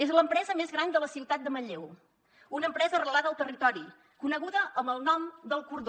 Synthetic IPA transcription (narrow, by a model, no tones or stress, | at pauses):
ezləmpɾɛzəmezɣɾand̪ələsiwt̪at̪̚d̪əməʎew | unəːmpɾɛzərəlaðəlˠt̪ərit̪ɔɾi | kunəɣ̞uðəʔəməlˠnɔmd̪əlˠkuɾð